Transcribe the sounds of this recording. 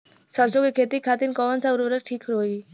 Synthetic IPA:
səɾd͡ʒoɡekʰet̪ikʰat̪inkɔʋənt͡sauɾəɾəɾʈʰiːkʰɾoi

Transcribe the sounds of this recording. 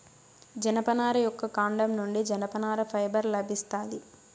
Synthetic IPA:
d͡ʒɐnɐpɐnaːɾɐjɔkːɐkaːɳɖɐmnuɳɖid͡ʒɐnɐpɐnaːɾɐpʰɐjbɐɾlɐbʱist̪aːli

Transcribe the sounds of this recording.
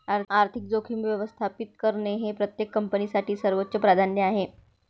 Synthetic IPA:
aɾaɾt̪ʰik̚d͡zokʰiːmʋjəʋəst̪ʰapit̪̚kəɾneɦepɾət̪jekːəmpənisaʈʰiːsəɾʋot̪ːɕəpɾad̪ʱanjəaɦe

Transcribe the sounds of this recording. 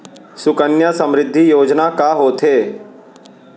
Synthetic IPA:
sʊkənjəsə̃mɾɪd̪ʱːijoːd͡ʒnakaɦoːt̪ʰɦeː

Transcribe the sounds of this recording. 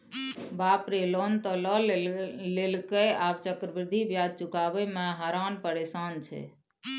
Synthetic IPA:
bapɾelont̪ələllelkəjaːb̚t͡ʃəkɾəbɾd̪ʱibjad͡ʒt͡ʃukaːbəmɛɦaɾanpəɾesaːnt͡ʃʰɛ̰

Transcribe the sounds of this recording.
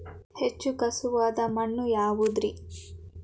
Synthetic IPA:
het͡ʃːukɐsuʋaːd̪ɐmɐɳːujaːʋud̪ɾi

